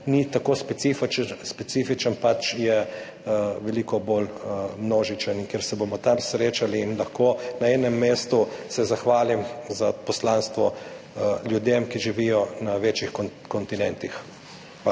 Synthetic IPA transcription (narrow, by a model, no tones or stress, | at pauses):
nit̪akoːspɛt̪sift͡ʃspɛt̪siːfit͡ʃənpat͡ʃjɛ | ʋɛliːkɔbolmnoːʒit͡ʃəniŋkeɾsɛbomɔt̪amsɾeːt͡ʃaliːnlɐxkoːnaɛnɛmːeːst̪usɛzaxʋaːlimzapɔslaːnst̪ʋɔ | ljud̪emkiʒiʋijɔnaʋet͡ʃixkkɔnt̪inɛnt̪ix